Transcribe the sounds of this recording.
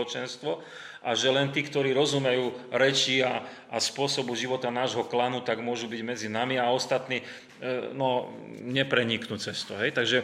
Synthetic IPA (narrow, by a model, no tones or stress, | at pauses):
ɔt͡ʃɛnst̪ʋɔ | ʔaʒɛlɛnt̪iːkt̪ɔɾiːɾɔzumɛjuːɾɛt͡ʃia | ʔːspʊɔsɔbuʒiʋɔt̪anaːʒɦɔklanut̪aɡmʊɔʒubiɟmɛd͡zinamiaɔst̪at̪niː | nɔ | ɲɛpɾɛɲiknut͡sɛst̪uɦɛjt̪aɡʒɛ